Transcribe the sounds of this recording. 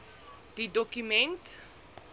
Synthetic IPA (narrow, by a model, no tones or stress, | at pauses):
d̥idɔkjumɛ̃nt